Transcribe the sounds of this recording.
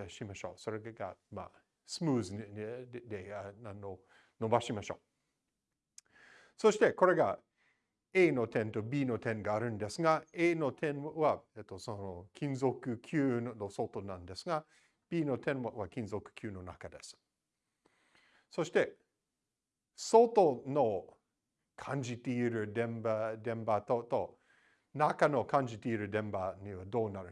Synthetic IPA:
aɕimaɕo̞̰ːso̞ɾeɡama̰ | sɨmuːz | d̪enãnːo | no̞baɕimaɕo̞̰ː | soɕi̥t̪e̞ko̞ɾe̞ɡa | eːno̞t̪ẽnt̪o̞biːno̞t̪ʰẽ̞ŋɡaːɾɯ̟̃nd̪esɨɡaeːno̞t̪ʰẽnβaet̪ːosonokʲʰĩnzo̞kɯ̟kʲʰjɨːnosot̪onãnd̪esɨɡa | b̥iːno̞t̪ʰẽnβakʲĩnzokɯ̥kʲjʉːno̞na̰kad̪esɨ̥ | so̞ɕi̥t̪e̞ | sot̪ono | kʰãnd͡ʒit̪eiɾɯ̟d̪ẽmbad̪ẽ̞mbat̪ot̪o | nakanokʰãɲd͡ʒit̪eiɾɯd̪ẽ̞mbaɲiβad̪o̞ːnaɾɯ

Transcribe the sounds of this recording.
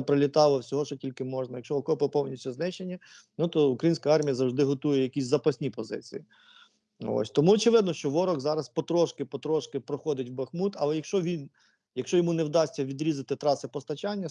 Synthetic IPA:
pɾɐlʲit̪ɑlˠɔwsʲɔɦɔʃɔtʲilʲkɪmɔʒnɐjɐkʃɔɔkɔpɐpɔwnʲisʲtʲuznɪt͡ʃenʲːɐ | nut̪ɔukɾɐjinʲsʲkɐɑrmʲijɐzɐwʐd̪ɪɦɔt̪ujɛjɐkʲisʲzɐpɐsʲnʲipɔzɪ̰t͡sʲḭji | o̰sʲt̪ɔmuɔt͡ʃɪʋɪd̪nɔʃt͡ʃɔʋɔɾɔɣzɑɾɐspɔt̪ɾɔʃkɪpɔt̪ɾɔʃkɪpɾɔxɔd̪ɪtʲwbɐxmut̪ɐlˠɛjɐkʃt͡ʃɔʋʲin | jɐkʃt͡ʃɔjɔmunewd̪ɑsʲt͡sʲːɐʋʲid̪ɾʲizɐt̪ɪt̪ɾɑsɪpɔst̪ɐt͡ʃɑnʲːɐ

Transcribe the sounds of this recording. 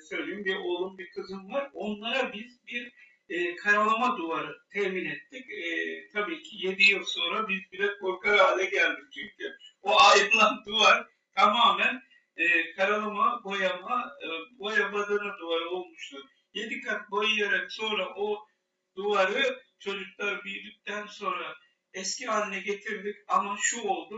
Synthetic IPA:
sø̞jlʲejimbiʔo̞lˠunbikʰɯzɯnvaɾo̞nlˠaɾabizbiɾ | ɛːkʰaɾalˠamad̪uaɾɯt̪ʰɛhminɛt̪ʰːicɛːt̪ʰabiːcʰije̞d̪ijɯlˠso̞nɾabizbiɾɛkʰo̞ɾkaɾaːlʲɛɟælʲd̪ic̚t͡ʃʰymt̪ʰioajɯd̪lˠand̪uvaɾ | t̪ʰamaːmæn | ɛːkʰaɾalˠɯmabo̞jamabo̞jabad̪ɯnad̪uvaɾɯo̞lˠmuʃt̪ʰu | je̞d̪ikʰat̪̚bojɯjaɾakso̞nɾaʔo | d̪uvaɾɯt͡ʃʰo̞d͡ʒuklˠaɾɯbijd̪yc̚t̪ʰænso̞nɾa | ɛsciɦaːnʲinɛɟe̞t̪ʰiɾd̪icamaʃuo̞lˠd̪u

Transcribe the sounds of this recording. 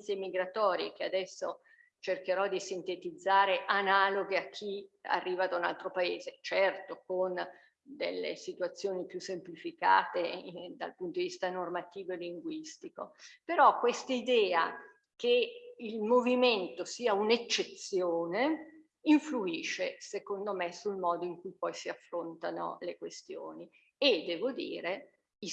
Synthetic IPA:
semiɡɾat̪ɔːɾjḛk̟ead̪ɛsːo | t͡ʃerkeɾɔd̪isint̪et̪id̪zːaːɾeʔanaːloɡeakʰːia̰rːiːvad̪auna̰lt̪ɾopaeːzet͡ʃɛrt̪okon | d̪ḛlːḛsit̪uat̪sːjoːnipjusːemplifika̰ːt̪ed̪a̰lpunt̪od̪ivist̪anormat̪iːvoeliŋɡwist̪ikopeɾɔkwest̪aid̪ɛːa̰ | keilmoviment̪osiːaunet͡ʃːet̪sːjoːne | iɱfluiːʃesekond̪omesulmɔːd̪oiŋkujpɔjsiafːɾont̪ano̰lekwest̪joːni | ed̪ɛːvod̪ḭːɾe | i

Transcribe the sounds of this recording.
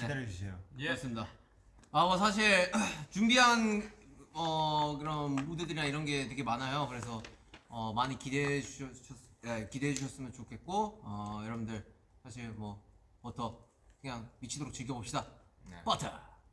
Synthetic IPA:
eusʰeomaɭs͈ɯmɲida | amwʌsʰaɕ̬ʰiɭt͡ɕumbiɦan | ʌkɯɾʌnudedɯɾinaiɾʌnɡe̞tekʰemanajokɯɾe̞s̬ʰʌʌmaɲikideuɕɕʰʌekideɦed͡ʑuɕ̬ʰʌs͈ɯmjʌnt͡ɕokʰe̞t̚k͈oʌjʌɾʌbundɯɭ | sʰaɕʰiɭmwʌ | pʌtʰʌ | kɯɲaŋmit͡ɕʰidoɾok̚t͡ɕɯɭɡjʌbop̚ɕ͈idapʌtʰa

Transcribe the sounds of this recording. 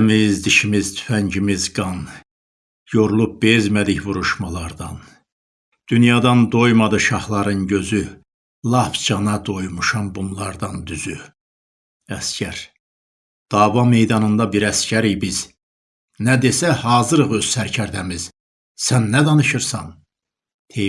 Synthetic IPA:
mizd̪iʃimizt̪ʰy̥fæɲɟimizɡɑn | jo̞ɾulˠup̚bezmæd̪içvuɾuʃmɑlˠɑɾd̪ɑn | d̪̥ynjɑːd̪ɑnd̪ojmɑd̪ɯʃɑhlˠɑɾɯnɟø̞zy | lˠɑfd͡ʒɑnɑd̪o̞jmuʃɑmbunlˠɑɾd̪ɑnd̪yzy | æscʰæɾ | d̪̥ɑːvɑme̞jd̪ɑnɯnd̪ɑbiɾæscæɾijbiz̥ | næd̪e̞sæhɑːzɯɾɯʁø̞z̥sæɾcʰæɾd̪æmiz̥ | sænːæd̪ɑnɯʃɯɾsɑn | t̪ʰe

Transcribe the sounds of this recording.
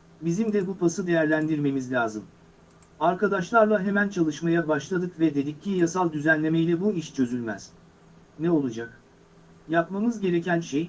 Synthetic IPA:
bizimd̪ɛbupʰasɯd̪e̞jæɾlʲænd̪iɾme̞mizlʲaːzɯm | aɾkad̪aʃlˠaɾlˠaɦe̞mænt͡ʃʰalˠɯʃmajabaʃlˠad̪ɯkvɛd̪e̞d̪icʰːijasalˠd̪yzænlʲe̞mejlʲɛbuiʃt͡ʃʰø̞zylʲmæz̥ | nɛo̞lˠud͡ʒak̚ | japmamɯzɟe̞ɾe̞cænʃej

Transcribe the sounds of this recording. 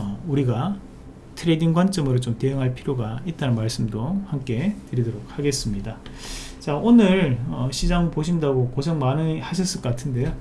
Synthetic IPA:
ʌuɾiɡa | tʰɯɾe̞diŋɡwant͡ɕ͈ʌmɯɾot͡ɕomte̞ɯŋɦaɭpʰiɾjoɡait̚t͈anɯnmaɭs͈ɯmdohamk͈e̞tɯɾidʌɾok̚haɡe̞s͈ɯmɲidat͡ɕaʔonɯɭʌɕʰid͡ʑaŋpoɕʰindaɡokosʰeŋmanɯhaɕ̬ʰʌs͈ɯɭk͈k͈atʰɯnde̞jo

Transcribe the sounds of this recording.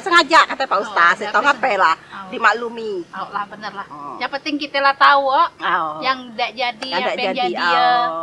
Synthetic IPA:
səŋad͡ʒaʔkat̪apaust̪asit̪oŋapɛlahdimaʔlumialahbənərlahjapənt̪ɪŋkit̪əlaht̪auoajaŋdaʔd͡ʒadidaʔd͡ʒadd͡ʒaiiaa

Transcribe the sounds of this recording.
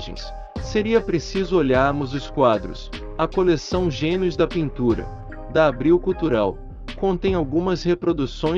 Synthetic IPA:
ʒḛ̃j̃sː | eɾiɐpɾesizʊoʎaɾmʊzʊskwad̪ɾʊ̰s | ɐkolesɐ̃w̃ʒẽnɪʊzd̪ɐpĩnt̪uɾɐ̰ | d̪ɐːbɾiwkuwt̪uɾaw | kõnt̪ẽj̃awɡũmɐshepɾod̪usõj̃

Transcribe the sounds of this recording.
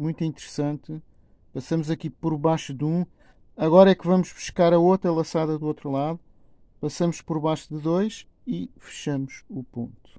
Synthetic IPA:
mũj̃t̪ĩnt̪ɨɾsɐ̃nt̪ɨ | pɐsɐmuzɐkipɔɾβajʃuðũ | ɐɣɔɾɐɛkvɐmuʒβuʃkaɾɐot̪ɾɐlˠɐsaðɐðuot̪ɾulˠaðu | pɐsɐmuʃpɔɾβajʃuðɨðojʃ | ifɨ̥ʃɐmuʃupõ̰nt̪u̥

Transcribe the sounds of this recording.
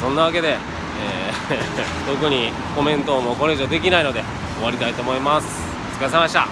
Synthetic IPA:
sõ̞nːaβake̞d̪e̞ | eː | t̪o̞kɯ̟ɲ̟i | ko̞mẽ̞nt̪o̞ːmo̞ko̞ɾeʑod̪e̞kʲinaino̞d̪e̞ | o̞βaɾʲit̪ait̪o̞ːmo̞imasɨ̥ | t͡sɨ̥kas̬emaɕi̥t̪a̰

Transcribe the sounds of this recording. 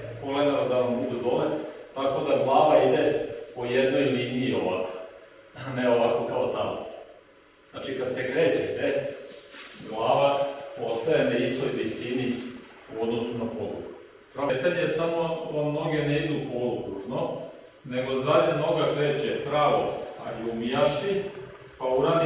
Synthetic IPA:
koled̪alod̪aʋambud̪ud̪o̞let̪ako̞d̪aɡlˠaːʋaid̪epoje̞d̪no̞jliːniio̞ʋako | aneo̞ʋakokaot̪a̰la̰s | znaːt͡ʃikad̪sekɾeːt͡ɕet̪e | ɡlˠaːʋao̞st̪ajenaist̪o̞jʋisiniuod̪no̞sunapo̞d̪ɾṵɡu | pɾaʋet̪aɲesamo̞amno̞ɡeneid̪upolukɾuʒno | ne̞ɡo̞zaʎeno̞ɡakɾe̞ːt͡ɕepɾaʋo̰a̰jumijaʃi | pauɾan

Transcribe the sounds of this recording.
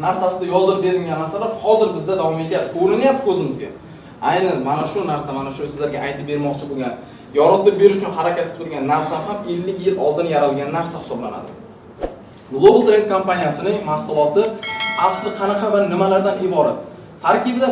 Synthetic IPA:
naɾsasɪd̪ajɒzɾɪp̚be̞ɾd̪ɪɡʲanːaɾsalaɾhɒzɪɾbɪzd̪ad̪avɒmet̪ɪjapt̪kɵɾɪnɪjapt̪ɪ̥kʲʰɵzɪmɪzɡʲa̰ | ajnanmanaʃʊnaɾsamanaʃʊsɪzlaɾɡʲaʔajt̪ʰɪp̚be̞ɾmɒqt͡ʃʰɪboɡʲan | jɒɾɨt̪ːɪbe̞ɾɪʃʊt͡ʃʰʊnɦaɾakʲat̪ːɪ̥pt̪ʰʊɾɡʲanːaɾsahame̞lːɪkʲjɪlɒlˠd̪ɪnjaɾalɡʲanːaɾsahɪ̥sɒbla̰na̰d̪ɪ̰ | ɡlˠobɨlˠt̪ɾej̪t̪̚kʰompanijasɪnɪŋmahsʊlˠɒt̪ɪafszqʰɑnɑqɑvanɪmalaɾd̪anɪbɒɾat̪ʰː | aɾkʲɪbɪd̪a

